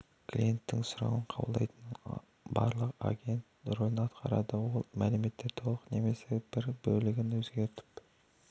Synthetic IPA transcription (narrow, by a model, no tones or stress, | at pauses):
kʰlʲije̞nt̪ːɪŋsʊɾɑ̰wəɴqʰɑbəlˠd̪ɑ̰jt̪ən | bɑ̰ɾlˠəqa̰ɡʲe̞nt̪ʊɾolnəɑt̪qɑɾɑ̰d̪əwo̞lˠmælɪme̞t̪ːɪt̪ʰo̞lˠəqne̞me̞se̞b̥ɪɾbɵlɪɡʲɪnwɵzɡʲe̞ɾt̪ɪ̥p